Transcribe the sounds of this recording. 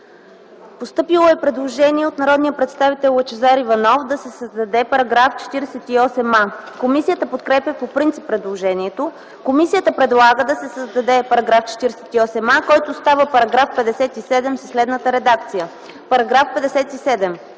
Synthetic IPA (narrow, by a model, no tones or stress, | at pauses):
post̪ɤpilˠoɛpɾɛd̪lˠoʒɛniɛot̪nɐɾɔd̪nijəpɾɛt̪st̪avit̪ɛlˠwɐt͡ʃɛzaɾivɐnɔfd̪ɐsɛsəzd̪ɐd̪ɛpɐɾɐɡɾaft͡ʃɛ̥t̪iɾɛsɛt̪iɔsɛmakomisijət̪əpot̪kɾɛpʲəpopɾint̪sipːɾɛd̪lˠoʒɛniɛt̪o | komisijət̪əpɾɛd̪lˠaɡəd̪ɐsɛsəzd̪ɐd̪ɛpɐɾɐɡɾaft͡ʃɛ̥t̪iɾɛsɛ̥t̪iɔsɛmakɔjt̪ost̪avəpɐɾɐɡɾafpɛd̪ɛsɛt̪isɛd̪ɛmsɐslɛd̪nət̪əɾɛd̪ak̚t̪sijə | pɐɾɐɡɾafpɛd̪ɛsɛt̪isɛd̪ɛm